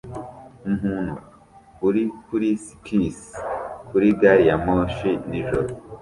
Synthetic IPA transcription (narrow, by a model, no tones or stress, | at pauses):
umhunu | kuɾikuɾisi̥kʰiskuɾiɡaɾijamoːʃiniʒo